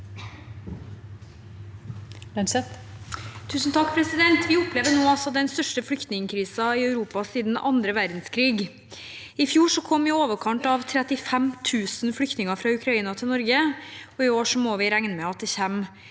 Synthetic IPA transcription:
sɛt̪ | t̪ʰʉːsn̩t̪ʰɑkːpʰɾɛsɪd̪ɛnt̪ʰʋɪʊpleːʋəɳoːɑlsɔd̪ɛnst̪œʂʈəflʏkt̪nɪŋəkʰɾiːsɑɪœʉɾuːpɑsiːd̪n̩ɑnd̪ɾəʋæɾd̪n̩skʰɾiːɡ | ɪfjuːʂɔkʰɔmʋɪoːʋəkʰɑnt̪ɑʋt̪ʰɾɛt̪ɪfɛmt̪ʰʉːsnflʏkt̪nɪŋəfɾɑːʉkʰɾɑiːnɑt̪ʰɪlnɔɾɡəɔɪoːʂɔmɔʋɪɾæŋnəmɛɑt̪̚d̪ɛçɛmː

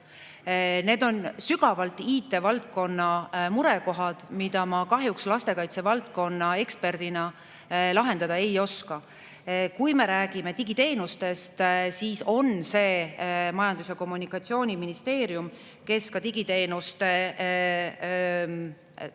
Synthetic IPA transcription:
ne̞ːd̪o̞nsyɡ̥ɑvɑlt̪ːˑiːt̪ːˑe̞vɑlt̪̚ko̞nːɑmuɾeko̞ɦɑd̪̥mid̪̥ɑmɑkɑɦjukslɑst̪e̞kɑjt̪se̞vɑlt̪̚ko̞nːɑe̞kspe̞rd̪̥inɑ | lɑɦe̞nd̪ɑd̪ɑe̞jo̞skɑ | kujme̞ɾæːɡ̥ime̞t̪iɡ̥it̪e̞ːnust̪e̞st̪siːso̞nse̞ːmɑjɑnd̪̥useko̞mːunikːˑɑt̪sio̞ːnʲiminist̪e̞ːɾjum | ke̞skɑt̪iɡ̥it̪e̞ːnust̪e

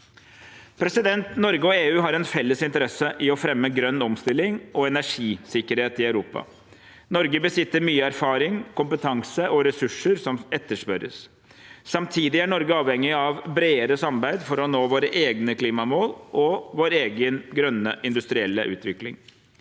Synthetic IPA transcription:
pʰɾɛsɪd̪ɛnt̪nɔɾɡəɔeːʉːɦɑɾɛnfɛlːəsɪnt̪əɾɛsəʔɪɔfɾɛmːəɡɾœnːɔmst̪ɪlːɪŋɔɛnæʂiːsɪkːəɾheːt̪ɪœʉɾuːpɑ̰ | nɔɾɡəbəsɪt̪ːəɾmyːəæɾfɑːɾɪŋkʊmpət̪ʰɑŋsəʔɔɾɛsʉʂəɾsɔmɛt̪ːəʂpœɾə̰s | sɑmt̪ʰiːd̪ɪæɳɔɾɡəɑːʋhɛŋːɪɑʋbɾeːəɾəsɑmbæɪd̪fɔɾɔnoːʋoːɾəʔeːɡnəkʰliːmɑmoːlʔɔʋoːɾeːɡənɡɾœnːə̰ʔɪnd̪ʉst̪ɾɪɛlːə̰ʔʉ̰ːt̪ʰʋɪklɪ̰ŋ

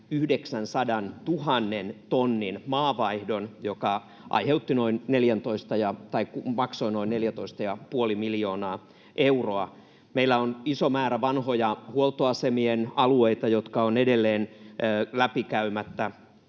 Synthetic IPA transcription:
yhdeksænsɑdɑnt̪uhɑnːent̪onːinmɑːʋɑihdonjokɑ | ʔɑ̰iheut̪ːinoinneljænt̪oist̪ɑjɑt̪ɑikumɑksoinoinneljæt̪oist̪ɑjɑpuolimiljoːnɑː | ʔeuroɑ | meilːæonisomæːɾæʋɑnhojɑhuolt̪oɑsemienɑlueit̪ɑjot̪kɑonedelːeːnːlæpikæymæt̪ːæ

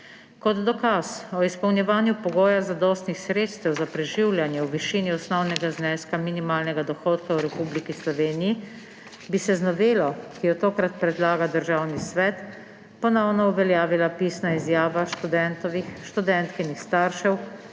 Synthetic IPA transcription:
kɔd̪d̪ɔkasɔispɔwnjɛʋaːnjupɔɡɔːjazad̪ɔːst̪nixsɾeːt̪st̪ɛwzapɾɛʒiwljanjɛwʋiʃiːniɔsnɔwnɛɡaznɛːskaminimaːlnɛɡad̪ɔxɔːt̪kawɾɛpublikislɔʋeːniji | bisɛznɔʋeːlɔkijɔt̪oːkɾat̪pɾɛd̪laːɡad̪əɾʒaːwnisʋɛːt̪ | pɔnɔwnɔuʋɛljaːʋilapiːsnaizjaːʋaʃt̪ud̪ɛnt̪ɔʋiʃt̪ud̪ɛnt̪kinixst̪aɾʃɛw

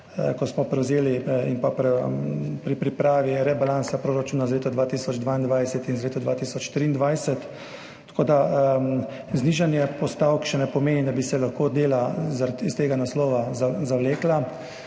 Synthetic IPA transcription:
kɔsmɔpɾɛwzeːliimpapɾɛpɾipɾipɾaːʋiɾɛbalansapɾoːɾat͡ʃuːnazaleːt̪ɔd̪ʋaːt̪isɔd͡ʒd̪ʋaːind̪ʋajsɛt̪inzleːt̪ɔd̪ʋaːt̪isɔt͡ʃt̪ɾiːnd̪ʋajsɛt̪ː | ḁkoːd̪a | zniːʒanjɛpɔst̪awkʃɛnɛpɔmeːnid̪abisɛlaxkoːd̪eːlazaɾist̪eːɡanaslɔːʋazazawleːkla

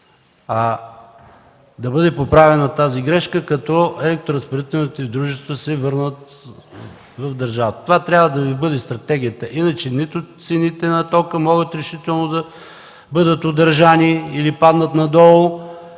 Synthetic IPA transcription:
ɐ | d̪ɐbɤd̪ɛpopɾavɛnɐt̪aziɡɾɛʃkəkɐt̪ɔɛlɛk̚t̪oɾɐspoɾɛt̪ɛnit̪id̪ɾuʒɛst̪vəsɛvɤɾnət̪ | vɐvd̪ɐɾʒavət̪ə̥t̪ovat̪ɾʲjabvəd̪ɐvibɤd̪ɛst̪ɾɐt̪ɛɡ̟ʲijət̪əʔinət͡ʃɛnit̪ʊt̪sɛnit̪ɛnɐt̪ɔkəmɔɡət̪ɾɛʃit̪ɛlˠnod̪ɐ | bɤd̪ət̪od̪əɾʒaniilipad̪nət̪nɐd̪ɔlˠo

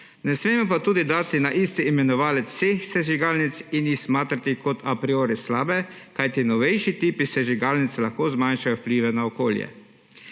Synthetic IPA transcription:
nɛsmeːmɔpat̪uːd̪id̪aːt̪inaʔist̪iːmɛnɔʋaːlɛt̪sːeːxsɛʒiɡaːlnit̪sinjixsmaːt̪ɾat̪ikɔt̪ʰapɾioːɾɛslaːbɛ | kajt̪inɔʋɛjʃit̪iːpisɛʒiɡaːlnit̪slaxkoːzmanʃajɔwpliːʋɛnaɔkoːljɛ̰

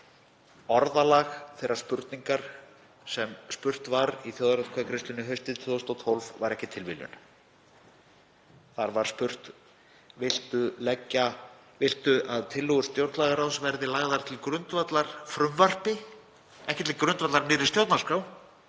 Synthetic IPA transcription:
ɔɾðalaɣθɛjɾaɾspʏɾt̪niŋkaɾ̥ | sɛmspʏr̥t̪vaɾiθjowðaɾɛt̪kʰvakʰɾɪst̪lʏnɪɦœɥst̪ɪðt̪ʰʏðast̪ɔt̪ʰolvvaɾɛhcɪt̪ʰɪlvɪ̰ljʏ̰n | θaɾvaɾ̥spʏr̥t̪ | vɪl̥t̪ʏlɛcːa | vɪl̥t̪ʏʔaðt̪ʰɪlːɔɣʏɾ̥st̪jowɾt̪laɣaɾawsvɛɾðɪlaːɣðaɾ̥t̪ʰɪlkɾʏnt̪vat̪laɾ̥fɾʏmvar̥pɪ | ɛhcɪt̪ʰɪlkɾʏnt̪vat̪laɾnɪːɾɪst̪jowɾt̪naɾskaw

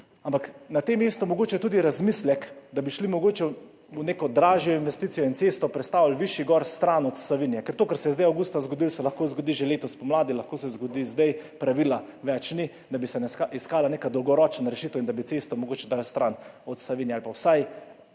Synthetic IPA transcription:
ampaknat̪emːeːst̪ɔmɔɡoːt͡ʃɛt̪uːd̪iɾazmislɛkd̪abiʃlimɔɡoːt͡ʃɛ | wneːkɔd̪ɾaːʒjɔinʋɛst̪it̪sijɔint̪est̪ɔpɾɛt̪st̪aːwlʋiʃiɡɔɾst̪ɾanɔt̪saʋinijɛkɛɾt̪oːkɛɾsɛjɛzd̪ɛjawɡuːst̪azɡod̪ilsɛlaxkozɡod̪iʒeleːt̪ɔspɔmlaːd̪ilɐxkosɛzɡɔd̪izd̪ɛjpɾaʋila | ʋɛt͡ʃni | d̪abisɛnɛaiskaːlaneːkad̪ɔwɡɔɾɔːt͡ʃnaɾɛʃit̪əwind̪abit̪sest̪ɔmɔɡoːt͡ʃɛd̪alst̪ɾanɔt̪saʋinjɛalpawsaj

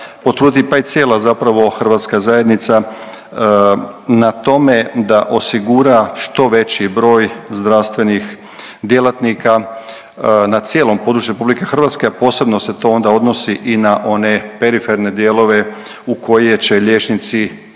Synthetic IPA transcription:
pot̪ɾuːd̪ipait̪sje̞ːlˠazapɾaʋo̞xrʋat̪skazajed̪nit̪sa | nat̪o̞me̞d̪aʔo̞siɡuɾaʃt̪o̞ʋe̞t͡ɕibɾo̞ːjzd̪ɾaʋst̪ʋe̞nix | d̪je̞lˠat̪nika | nat̪sje̞ːlo̞mpo̞d̪ɾut͡ʃjeɾepublike̞xrʋat̪skeapo̞ːse̞bno̞se̞t̪o̞o̞nd̪ao̞d̪no̞siʔinaʔo̞ne̞peɾifeɾne̞d̪je̞ːlˠo̞ʋe̞ | uko̞jet͡ɕe̞ʎʲe̞ːt͡ʃnit̪si

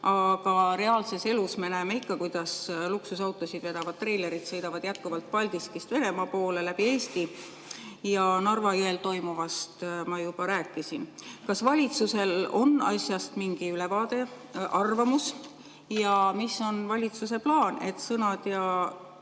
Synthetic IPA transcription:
ʔɑɡ̥ɑɾe̞ɑːlse̞se̞lusme̞næːme̞ikːɑkujd̪̥ɑsluksusɑwt̪ːˑosid̪ve̞d̪̥ɑvɑd̪̥̚t̪ːre̞jle̞ɾid̪̥sɤ̞jd̪ɑvɑd̪̥jæt̪̚kuvɑlt̪̚pɑlʲd̪̥iskist̪ve̞ne̞mɑpo̞ːle̞læb̥ie̞ːst̪i | jɑnɑrvɑjoelt̪o̞jmuvɑst̪mɑjub̥ɑɾæːkːˑisinkɑsvɑlʲit̪suse̞lo̞̰nːɑ̰sʲjɑst̪miŋɡ̥iylevɑːd̪e̞ | ʔɑrvɑmus | jɑmisːo̞nvɑlʲit̪suse̞plɑːne̞t̪sɤnɑd̪̥jɑ

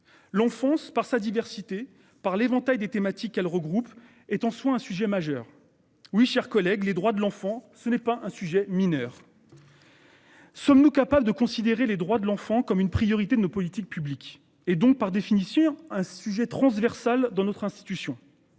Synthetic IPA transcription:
lɑ̃fɑ̃spaʁsad̪ivɛʁsit̪e | paʁlevɑ̃t̪ajd̪et̪emat̪ikːɛlʁəɡʁup | ɛt̪ɑ̃swaɛ̃syʒɛmaʒœːʁ | wiʃɛʁkɔlɛɡled̪ʁwad̪əlɑ̃fɑ̃sənɛpaʔɛ̃syʒɛminœːʁ | sɔmnukapabləd̪əkɔ̃sid̪eʁeled̪ʁwad̪əlɑ̃fɑ̃kɔmynpχijɔʁit̪ed̪ənopɔlit̪ik̚pyblik | ed̪ɔ̃k̚paʁd̪efinisjɔ̃ɛ̃syʒɛt̪χɑ̃zvɛʁsald̪ɑ̃nɔt̪χɛ̃st̪i̥t̪ysjɔ̃

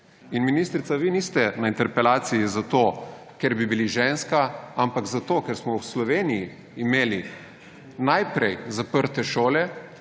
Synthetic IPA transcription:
inminiːst̪ɾit̪saʋiniːst̪ɛnaint̪ɛɾpɛlaːt̪sijizat̪o | keɾbibiliʒeːnskaampaɡzat̪oːkɛɾsmɔwslɔʋeːnijiː | meːli | najpɾɛjzapəɾt̪ɛʃoːlɛ

